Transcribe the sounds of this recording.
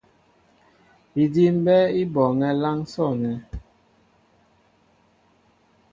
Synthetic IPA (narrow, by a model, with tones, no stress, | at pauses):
i˨di˦m̩˦bɛ˦i˦bɔ˨ŋɛ˦la˦ŋsɔ˦˨nɛ˨